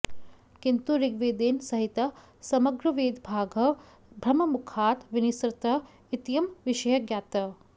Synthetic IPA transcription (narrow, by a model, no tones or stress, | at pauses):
kint̪uɾiɡʋeːd̪eːnsɐɦit̪ɐ | sɐmɐɡɾɐʋeːd̪bʱaːɡʱɐ | bʱɾɐmɐmukʰaːt̪ʋinisɾɪt̪ɐ | it̪jɐmʋiʃɐjɐɡjaːt̪ɐ